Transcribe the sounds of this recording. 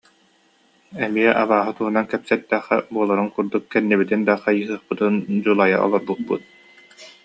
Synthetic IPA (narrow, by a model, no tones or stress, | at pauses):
ɛmiɛʔaβaːɦɯt̪uɦunankɛpsɛt̪ːɛχɛ̰buɔlˠaɾɯŋkuɾd̪ukːɛnːibit̪ind̪aqajɯɦɯɐχpɯt̪ɯnd͡ʑulˠaja̰ʔɔ̰lˠɔɾbut̪̚pṵt̪̚